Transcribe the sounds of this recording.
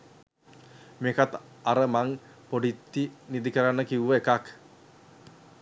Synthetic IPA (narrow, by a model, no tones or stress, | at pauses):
mekat̪ | aɾəmaŋ | poɖit̪ːinid̪ikəɾanːəkiwuʋəekak